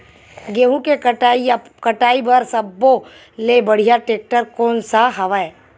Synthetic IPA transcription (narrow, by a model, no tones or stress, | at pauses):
ɡeːɦũkei | kɐʈaːibɐɾsɐbːo | lebɐɽ̤ijaʈeːk̚ʈəɾkɔːnsaɦɐʋae